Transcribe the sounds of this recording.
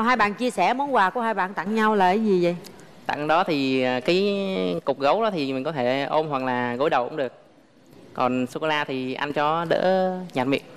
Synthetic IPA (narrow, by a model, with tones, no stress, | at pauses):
ɦaː˧jɓa̰ː˧˨nt͡ɕi˧əsɛ˧˩mo˨˦nkwaː˨˩ku˧˩əhaː˧jɓa̰ː˧˨nt̪a̰˧˨ŋɲa˧wlaː˨˩ʔjzi˨˩zə̰˨j | t̪a̰˧˨ŋɗɔ˨˦t̪ʰi˨˩˨kaː˨˦jkʊ˨˩k͡p̚ɣə˨˦wɗɔ˨˦t̪ʰi˨˩mï˨˩ŋ̟kɔ˨˦t̪ʰe˧˩ʔo˧mhwa˨˩k̚laː˨˩ɣo̰˧˦jɗə˨˩wkʊ̰˧˥ŋ͡mɗɨ˨˩ək̚ː | ɔ˨˩nsu˧ko˧laː˧t̪ʰi˨˩ʔa˧jŋt͡ɕɔ˧ɗə̰ː˧˥ɲaː˨˩t̚mḭ˧˨ən